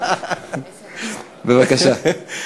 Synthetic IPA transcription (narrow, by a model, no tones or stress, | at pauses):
bevakaʃa